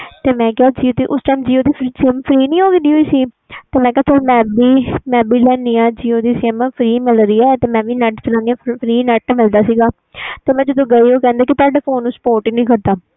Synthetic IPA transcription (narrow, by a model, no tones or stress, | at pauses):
t̪eːmɛ̃ːkɪɦaːd͡ʒiːoːd̪iːʔʊsʈaimd͡ʒiːoːd̪iːpʰɾiːseːmpʰɾiːnĩːɦoːɡed̪iːɦoiːsiː | t̪eːmɛ̃ːkɛaːsəlmɛ̃ːbiːmɛ̃ːbiːlɛːniːãːd͡ʒiːoːd̪iːseːmpʰɾiːmɪlɾiːɛːt̪eːmɛ̃ːʋiːnɛʈpʰɪlãːnd̪ijãːpʰɾiːnɛʈmɪld̪aːsiːɡaː | t̪eːmɛ̃ːd͡ʒəd̪õːɡəiːoːkɛ̃ːnd̪aːkɪt̪aːɖeːpoːnːũːspoːɾʈinĩːkəɾd̪aː